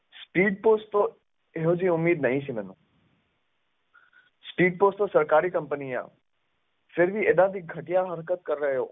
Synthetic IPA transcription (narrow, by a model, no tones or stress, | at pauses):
spiːɖ̚poːsʈt̪o | eɦod͡ʑiʊmːiːd̪nɐɦĩsimɛːnṵ̃ | spiːɖ̚poːsʈt̪osɐɾkaːɾikɐ̃mpənijã̰ | fɪɾʋieːd̪ãd̪iɡʱɐʈijaɦɐɾkət̪̚kəɾːəɦjoː